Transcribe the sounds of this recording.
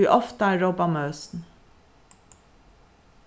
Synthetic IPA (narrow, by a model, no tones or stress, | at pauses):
iːʔɔft̪əæːɹoːbɑmœːsn̩